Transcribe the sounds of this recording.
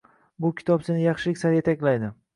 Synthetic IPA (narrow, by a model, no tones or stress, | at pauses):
bʊkʲʰɪ̥t̪ʰɒpsɪnɪjɑχʃɪlɪkʲsaɾjet̪ʰakʲlajd̪ɪ